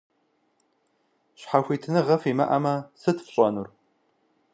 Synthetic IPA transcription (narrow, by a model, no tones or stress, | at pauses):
ɕħaxʷiːtʰɨnɨʁɐfiːmɐʔɐmɐsɨtfɕʼɔnur